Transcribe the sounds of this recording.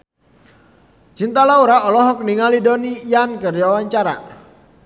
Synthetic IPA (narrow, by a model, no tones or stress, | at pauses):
t͡ʃint̪alauɾaɔlɔɦɔk̚niŋalidonijankərd͡ʒawaɲt͡ʃaɾa̰